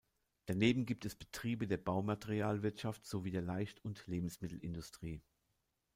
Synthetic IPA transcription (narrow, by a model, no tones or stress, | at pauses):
d̥aneːbm̩ɡiːp̚tʰɛsb̥ətʁ̥iːbədeːɐbaʊmateʁiaːlvɪɐtʃaftz̥oviːdeːɐlaɪçtʰʊntleːbm̩smɪtl̩ɪndʊstʁ̥iː